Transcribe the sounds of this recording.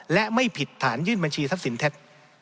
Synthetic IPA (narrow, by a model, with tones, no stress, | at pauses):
lɛ˦˥ʔma˥˩jpʰi˨˩t̪ʰːaː˩˦njɯː˥˩nba˧nt͡ɕʰiː˧sa˦˥p̚si˩˦nt̪ʰe˦˥t̪̚